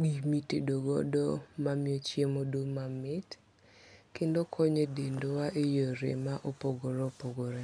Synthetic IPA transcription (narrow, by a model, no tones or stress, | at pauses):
ɡimitedoɡɔ̰dɔ̰mamjot͡ʃjemodomamɪt | kendokʰɔɲedendowaʔejoɾḛmaʔopoɡoɾopoɡoɾe